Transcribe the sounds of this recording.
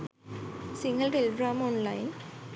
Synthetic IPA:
siŋɡəlʈelɡɾaːmɔnlajn

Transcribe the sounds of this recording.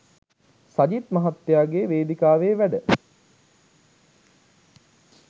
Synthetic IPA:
sad͡ʒit̪mɐɦat̪ːejaːɡeʋeːd̪ikaːʋeːʋæɖə

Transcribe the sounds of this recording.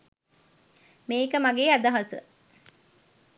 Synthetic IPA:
meːkəmaɡeːad̪ɐɦɐsə̰

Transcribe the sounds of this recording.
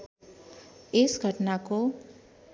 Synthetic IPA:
ɪsɡʱəʈnako

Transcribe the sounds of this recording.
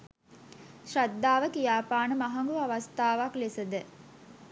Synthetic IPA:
ʃrad̪ːaːʋəkijaːpaːnəmaɦaŋɡuaʋast̪aːʋaklesəd̪ə

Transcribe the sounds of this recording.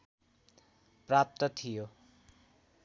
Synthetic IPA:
prap̚t̪ʌt̪ʰijo

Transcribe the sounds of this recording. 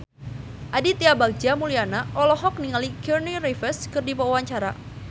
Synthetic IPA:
ʔadit̪iabak̚d͡ʒamulianaʔɔlɔɦɔk̚niŋalikirnirifəskɨrdipɔwaɲt͡ʃaɾa

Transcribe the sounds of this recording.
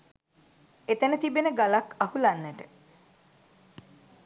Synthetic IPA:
et̪ənət̪ibenəɡalakahulanːəʈə

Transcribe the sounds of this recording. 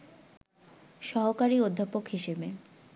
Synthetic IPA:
ʃɔɦokaɾiod̪ʱːapokɦiʃebe

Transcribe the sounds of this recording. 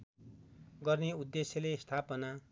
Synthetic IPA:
ɡʌrneud̪ːesjʌlest̪ʰapʌna

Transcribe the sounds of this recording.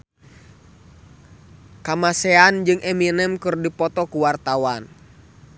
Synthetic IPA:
kamasɛand͡ʒɨŋɛminɛmkɨrdipɔt̪ɔkuwart̪awan

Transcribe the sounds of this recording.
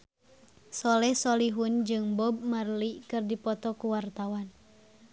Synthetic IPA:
sɔlɛhsɔliɦund͡ʒɨŋbɔb̚marlikɨrdipɔt̪ɔkuwart̪awan

